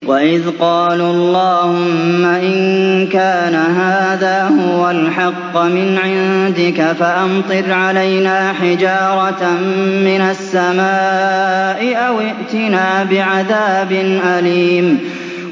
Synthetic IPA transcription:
waʔɪðqɑːlɑlˤːɑːhʊmːaʔɪnkaːnaɦaːðaːhʊwalħɑqːmɪnʕɪnd̪ɪkafaʔant̪ˤɨɾʕalajnaːħɪd͡ʒɑːɾˤɑ | mɪnasːamaːʔɪʔawɪʔt̪ɪnaːbɪʕaðaːbɪnʔaliːm

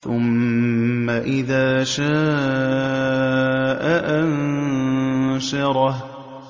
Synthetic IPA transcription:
θʊmː | aʔɪðaːʃaː | ʔaʔan | ʃɑɾˤɑh

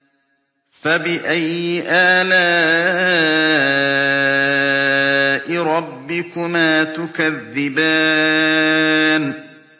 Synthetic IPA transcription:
fabɪʔajːɪʔaːlaː | ʔɪɾˤɑbːɪkʊmaːt̪ʊkaðːɪbaː | n

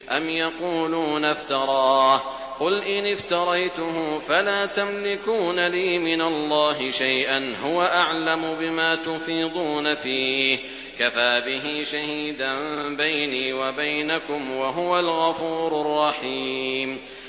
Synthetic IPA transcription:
ʔamjɑquːluːnaft̪ɑɾˤɑːh | qʊlʔɪnɪft̪ɑɾˤɑjt̪ʊɦʊfalaːt̪amlɪkuːnaliːmɪnalˤːɑːɦɪʃajʔanɦʊwaʔaʕlamʊbɪmaːt̪ʊfiːd̪ˤuːnafiː | kafaːbɪɦiːʃahiːd̪ambajniːwabajnakʊmwaɦʊwalɣɑfuːɾrˤːɑħim

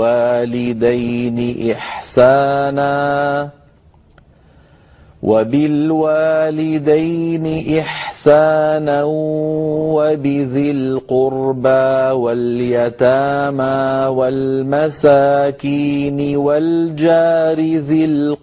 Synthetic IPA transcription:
aːlɪd̪ajnɪʔɪħsaːnaː | wʔa̰bɪlwaːlɪd̪ajnɪʔɪħsaːna | wabɪðɪlqʊɾbawaljat̪aːmawalmasaːkiːnɪwald͡ʒaːɾɪðɪl

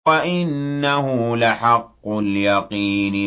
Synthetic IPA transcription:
aʔɪnːahʊlɪħɑqːʊljɑqiːnɪ

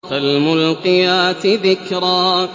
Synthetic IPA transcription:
kalmʊlqɨjaːt̪ɪðɪkɾˤaː

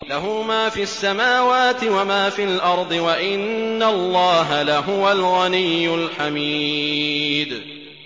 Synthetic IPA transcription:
laɦʊmaːfiːasːamaːwaːt̪ɪwamaːfiːlʔɑɾˤd̪ˤɨwaʔɪnːalːɑːɦalaɦʊwalɣanijːʊlħamiː | d̪

